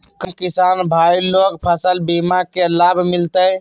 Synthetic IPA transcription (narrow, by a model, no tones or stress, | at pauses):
kəkisanbʱailokpʰəsəlbimakelabʱmilt̪əj